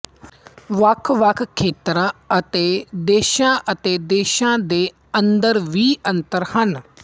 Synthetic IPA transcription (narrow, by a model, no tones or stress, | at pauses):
ʋəkʰʋəkʰkʰːeːt̪ɾãːət̪eːd̪eːʃãːʔət̪eːd̪eːʃãːd̪eː | ə̃nd̪əɾʋiːə̃nt̪əɾhən